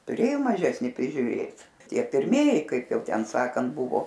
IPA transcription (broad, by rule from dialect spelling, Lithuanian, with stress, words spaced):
tʊˈrʲeːjoː mɐˈʒʲæːsʲnʲɪ pʲrʲɪʒʲʊˈrʲeːt ˈtʲiɛ pʲɪrʲˈmʲiɛjɪ ˈkɐɪp ˈjɛʊ ˈtʲɛn ˈsɑːkɐnt ˈbʊʋoː